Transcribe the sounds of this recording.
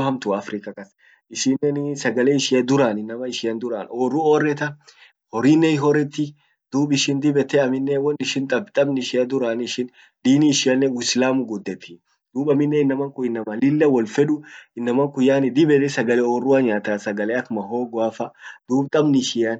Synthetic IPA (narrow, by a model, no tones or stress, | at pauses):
hɐmt̪ʊɐfɾɪkɐkɐs | ɪʃɪnɛnsɐɡɐleːɪʃɪɐd̪ʊɾaːnɪnːɐmɐɪʃɪjɐnd̪ʊɾaːnoːrːʊoːrːɛt̪ɐ | hɔɾɪnːɛɪɦɔɾɛt̪ːɪ | d̪̥uːbɪʃɪnd̪ɪbɛt̪ːɛɐmɪnːɛwɔnɪʃɪnt̪ʼɐbt̪ʼɐbnɪʃɪjɐd̪ʊɾaːnɪʃɪn | d̪iːniɪʃɪɐnːɛwslaːmʊɡʊd̪ːɛt̪ʰːɪ | d̪̥uːbɐmɪnːɛɪnːɐmɐŋkʊɪnːɐmɐlɪlːɐwɔlfɛᶑʊɪnːɐmɐŋkʊjaːnɪd̪ɪbɛt̪ɛsɐɡɐlɛoːrːʊwaɲaːt̪asɐɡɐleːɐkmɐɦoːɡwaːfɐd̪̥uːbt̪ʼɐbnɪʃɪjɐn